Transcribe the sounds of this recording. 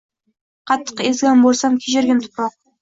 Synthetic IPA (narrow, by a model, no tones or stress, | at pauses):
qʰɑt̪ʰːə̥qezɡʲænbolˠsɑmkʲʰeʒeɾɡʲɪnt̪ʰʊ̥pɾɑq̚